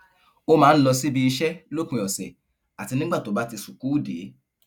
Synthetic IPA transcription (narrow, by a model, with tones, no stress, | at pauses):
o˦mãː˨˦˧n̩˦lɔ˧si˦bi˧i˧ʃɛ˦lo˦kũ˧jɔ˨sɛ̰˨ | a˨ti˧nĩ˦ɡ͡ba˦˨to˨˦ba˦ti˧su˨ku˦u˦˨de˨˦